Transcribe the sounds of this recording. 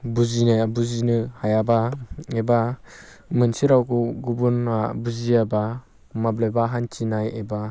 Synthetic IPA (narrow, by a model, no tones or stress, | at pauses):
buzinajabuzinɯhajabaeba | mɯnsiɾawkuɡubunabuziaba | mablebaɦant͡ʃinajeba